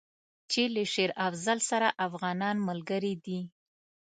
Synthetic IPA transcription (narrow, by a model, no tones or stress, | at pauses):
t͡ʃeləʃeɾafzalsaɾaʔafɣɑnɑnmalɡəɾid̪i